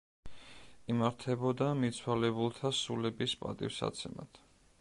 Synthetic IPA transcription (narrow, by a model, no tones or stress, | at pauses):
imaɾt̪ʰɛbɔd̪amit̪sʰwalɛbulˠt̪ʰasulɛbispʼa̰t̪ʼḭfsa̰t̪sʰɛma̰t̪ʰ